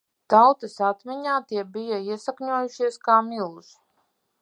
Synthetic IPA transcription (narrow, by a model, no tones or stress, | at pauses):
t̪awt̪ɐsat̪miɲaːt̪iɛbijaiɛsakɲuɔjuʃiɛskaːmilˠs